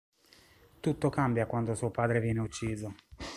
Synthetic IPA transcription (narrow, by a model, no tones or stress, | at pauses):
t̪ut̪ːokambjakwand̪osuːopaːd̪ɾevjɛːneut͡ʃːiːzo